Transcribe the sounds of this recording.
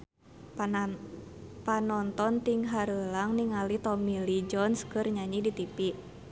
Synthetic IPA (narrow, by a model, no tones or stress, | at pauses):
panɔnt̪ɔnt̪iŋɦaɾəlaŋniŋalit̪ɔmilid͡ʒɔnskɨrɲaɲidit̪ipiʔ